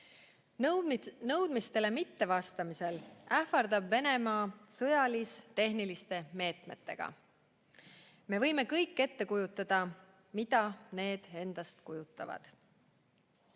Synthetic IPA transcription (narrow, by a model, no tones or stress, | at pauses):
nɤwd̪̥mist̪e̞le̞mit̪ːe̞vɑst̪ɑmise̞læhfɑrd̪ɑbve̞ne̞mɑːsɤ̞jɑlist̪e̞ɦnilist̪e̞me̞ːt̪me̞t̪ːe̞̰ɡ̥ɑ̰ | me̞vɤ̞jme̞kɤjkːe̞t̪ːe̞kujut̪ːˑɑd̪̥ɑ | mid̪ɑne̞ːd̪̥e̞nd̪̥ɑst̪kujut̪ːˑɑ̰vɑ̰d̪̥